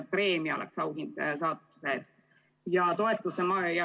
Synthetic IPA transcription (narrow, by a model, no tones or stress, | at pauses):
pre̞ːmiɑo̞lʔḛksɑwd̪ind̪̥sɑːt̪ˑːu̥seest̪ | jɑt̪o̞e̞t̪ːˑusemɑjɑ